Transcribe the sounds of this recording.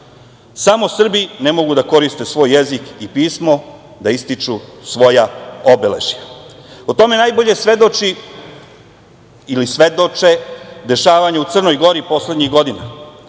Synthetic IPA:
samo̞sr̩bine̞mo̞ɡud̪ako̞ɾist̪e̞sʋo̞ːjːezikipiːsmo̞ | d̪aist̪it͡ʂusʋo̞jao̞bele̞̰ʒiaot̪o̞me̞najbo̞ʎe̞sʋe̞d̪o̞t͡ʃi | lisʋe̞d̪o̞t͡ʃed̪e̞ʃaːʋaɲeut̪sr̩no̞jɡo̞ɾipo̞sle̞d̪ɲiɣɡo̞d̪ina̰

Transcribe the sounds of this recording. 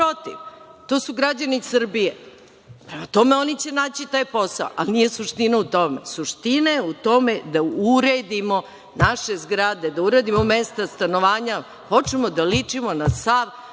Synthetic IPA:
pɾot̪iʋt̪o̞ːsuɡɾad͡ʑanisr̩bije | pɾe̞mat̪o̞meo̞nit͡ɕe̞naːt͡ɕit̪aːjpo̞saoʔa̰lnije̞suʂt̪inaut̪o̞mesuʂt̪inajeut̪o̞me̞d̪auɾed̪imo̞ | naʃe̞zɡɾad̪e̞d̪auɾed̪imome̞st̪ast̪ano̞ʋaːɲa | ho̞t͡ʃemod̪alit͡ʂimonasaʋ

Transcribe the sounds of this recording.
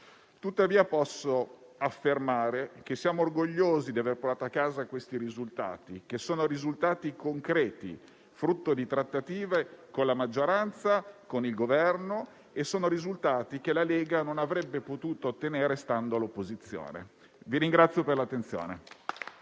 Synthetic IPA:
t̪ut̪ːaviːapɔsːoafːermaːɾek̟esːjaːmoːrɡoʎːoːzid̪iaverpoɾt̪aːt̪oakːaːzakwest̪iɾizult̪a̰ːt̪ikesoːnoɾizult̪aːt̪ikoŋkɾɛːt̪ḭ | fɾut̪ːod̪it̪ɾat̪ːat̪iːvekonlamad͡ʒːoɾant̪sakonilɡovɛrno | esːoːnoɾizult̪aːt̪ik̟elaleːɡanonavɾɛbːepot̪uːt̪oːt̪ːeneːɾest̪and̪oalopːozit̪sːjo̰ːnḛ | viɾiŋɡɾat̪sːjoperlat̪ːent̪sjo̰ːne

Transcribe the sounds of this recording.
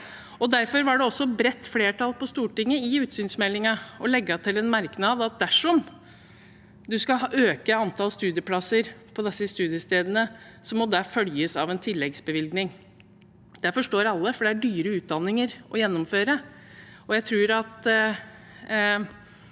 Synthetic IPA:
ɔd̪æɾfɔɾʋɑɖɛɔsːɔbɾɛt̪ːfleːʈʰɑlˠpɔst̪uːʈɪŋːəɪʉːt̪syːnsmɛlːɪŋɑɔlɛɡːɑt̪ʰɪlɛnmæɾknɑːd̪ɑt̪̚d̪æʂɔm | d̪ʉskɑʔøːkəɑnt̪ʰɑːlst̪ʉːd̪ɪəpʰlɑsːəɾpʰɔd̪ɛsːəst̪ʉːd̪ɪjəst̪eːd̪ənə | sɔmːɔd̪æfœljəsɑʋɛnt̪ʰɪlːɛɡsbəʋɪlɡnɪŋ | d̪̥æfɔʂʈoːɾɑlːəfɔɖɛæɖyːɾəʉːt̪̚d̪ɑnːɪŋəɾʔɔjɛnːɔmføːɾə | ɔjæɪt̪ʰɾuːɾɑt̪

